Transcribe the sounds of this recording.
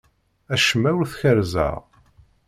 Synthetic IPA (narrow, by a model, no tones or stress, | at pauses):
æʃəmæwɾθçəɾzə̰ʁ